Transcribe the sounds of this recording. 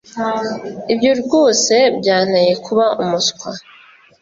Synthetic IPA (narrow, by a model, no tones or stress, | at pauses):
ibjoɾɡoːse̞bɟaːn̥aje̞kʰuβaumuskwa